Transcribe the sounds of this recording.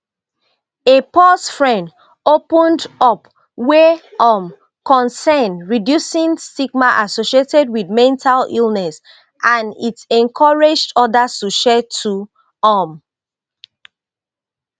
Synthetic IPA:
epɔsfɹɛ̃nd | opə̃ndɔp | wɛɔm | kɔ̃nsɛnɹidjusĩnstiɡmaʔasoʃietɛd̚widmɛ̃ntʰalilˠnɛs | ʔãnitɛ̃nkʰɔɹed͡ʒdɔdastuʃɛtʰːu | ɔm

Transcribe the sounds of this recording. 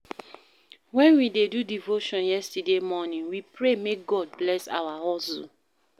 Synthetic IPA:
wɛ̃nwidedudivoʃɔ̃njɛstademɔnĩŋwipɾemek̚ɡɔd̚blɛsa̰waɦɔsṵ

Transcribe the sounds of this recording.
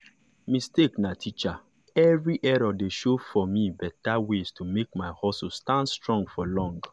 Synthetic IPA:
misteknatʰit͡ʃa | ɛvɹiʔɛɹodeʃofɔmibɛtawestʰumek̚maɪhɔsustãndstɹɔ̃ŋɡfɔlɔ̃ŋɡ

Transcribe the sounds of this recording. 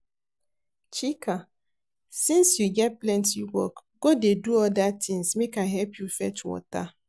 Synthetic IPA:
t͡ʃikʰa | sĩnsjuɡɛt̚plɛ̃ntiwɔ̰kɡodeduɔdatɪ̃ŋsmekaɦɛlpjufɛtʰɔ̰ta

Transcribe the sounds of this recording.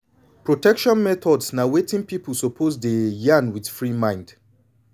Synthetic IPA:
pɹotɛkʃɔ̃nmɛθɔdsnawetĩŋpipəl̩ˠsopʰozdejãnwidfɹimãɪ̃nd̥

